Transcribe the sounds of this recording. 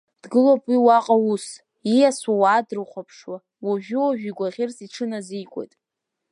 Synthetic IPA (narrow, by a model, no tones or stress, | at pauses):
d̥ɡɨlopʼwiwaqʼawus | ijasawadrɨχʷapʰʂwa | waʒᶣʊwaʒᶣiɡʷaʁʲɪrsiʈ͡ʂʰɨnazijkʷʼo̰jtʼ